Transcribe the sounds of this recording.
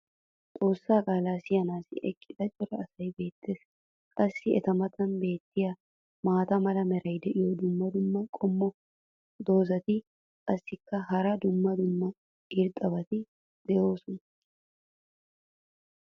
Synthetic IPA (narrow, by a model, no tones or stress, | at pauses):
t̪ʼo̞ːsːaːkʼaːlaːsɪjɐnaːsɪʔɛkʼːɪd̪̥ɐt͡ʃʼɔɾɐːsɐjbe̞ːt̪ːe̞ːs | kʼɐsːɪɛ̰t̪ɐmɐt̪ɐnbe̞ːt̪ːɪja | maːt̪ɐmɐlɐmɛɾɐjd̪ɛʔɪjɔd̪ʊmːɐd̪ʊmːɐkʼɔmːɔ | d̪o̞ːzɐt̪ɪ | kʼɐsːɪkːɐɦɐɾɐd̪ʊmːɐd̪ʊmːɐ | ɪɾt̪ʼɐbɐt̪ɪ | d̪̥ɛjo̞ːsʊn